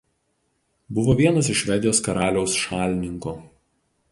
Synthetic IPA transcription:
bʊʋoːʋʲiɛnɐs̬ɪʃːʲʋʲɛd̪ʲɪjoːskɐɾɑːlʲɛʊsʃɑːlʲnʲɪŋkoː

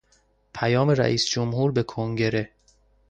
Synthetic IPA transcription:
pʰæjɒːme̞ɾæ̰ʔiːsd͡ʒomɦuːɾbe̞kʰoŋɟe̞ɾe̞

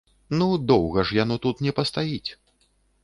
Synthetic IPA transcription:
nud̪ɔwɣɐʐjanɔt̪ut̪nʲɛpɐst̪ajit͡sʲ

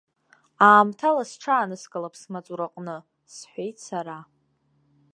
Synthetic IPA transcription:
aːmtʰalasʈ͡ʂʰaːnɨskʼalapʰsmat͡sʼuɾaqʼnɨ | sħʷejtʰʼsaɾa

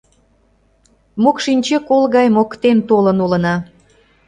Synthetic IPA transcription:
mokʃinʲt͡ɕekolɣɑjmokt̪ent̪olənulə̆nɑ

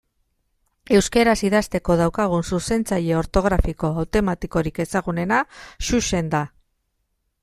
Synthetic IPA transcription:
e̞wske̞ɾasiðast̪e̞ko̞ð̞awkaɣ̞unsuse̞nt͡saʎe̞oɾt̪o̞ɣ̞ɾafiko̞awt̪o̞mat̪iko̞ɾike̞saɣune̞naʃuʃe̞nd̪a

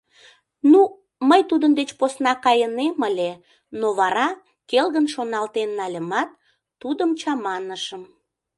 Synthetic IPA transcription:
nu | məjt̪ud̪ənd̪et͡ɕposnɑkɑjəneməlʲe | noβɑɾɑ | kelɣənʃonɑlt̪enːɑlʲəmɑt̪̚ː | ud̪əmt͡ɕɑmɑnəʃəm

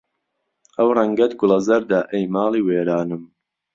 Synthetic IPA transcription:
ʔɐwrɐŋɡɐt̪ɡʊlɐzɐɾd̪aːʔɛjmaːliːweːɾaːnɨm

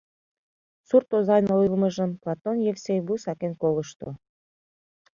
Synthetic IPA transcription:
surt̪ozɑjnolilˠmə̆ʒə̆mplˠɑt̪onjefsejbusɑkenkolə̆ʃt̪o̰

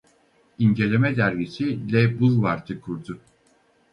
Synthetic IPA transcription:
iɲɟe̞lʲe̞mɛd̪æɾɟisilʲɛbulˠvaɾt̪ʰɯkʰuɾd̪ʊ

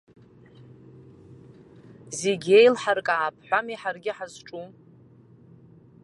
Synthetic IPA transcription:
zeɡʲejlħarkʼaʕːpʰħʷamiħarɡʲɪħazʈ͡ʂʼu

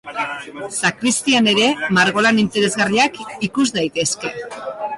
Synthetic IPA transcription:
sakɾist̪iane̞ɾe̞maɾɣo̞lanint̪e̞ɾe̞zɣariakikuzd̪ajt̪e̞ske̞

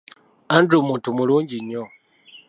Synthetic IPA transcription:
andɾumuːntumuluːɲɟiɲːo

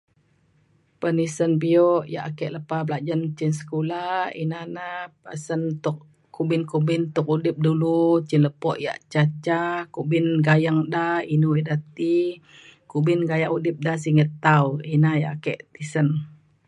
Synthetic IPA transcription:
pənisənbiɔʔja̰ʔakɛʔləpablad͡ʒant͡ʃinsə̥kulaḭnanapə̰sənt̪uʔ | kubɪnkubɪnt̪ʊk̚udɪp̚dulut͡ʃɪnləpɔʔja̰ʔt͡ʃat͡ʃakubɪnɡajaŋdainuidat̪i | kubɪnɡajaŋudɪp̚dahs̬iŋət̪ːawinaja̰ʔakɛʔt̪isən

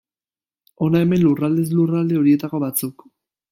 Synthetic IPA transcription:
o̞nae̞me̞nlurald̪eslurald̪e̞o̞ɾie̞t̪ako̞βat͡suk

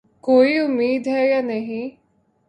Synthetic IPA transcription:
koːiʊmːiːd̪ɦɛjaːnəɦĩ

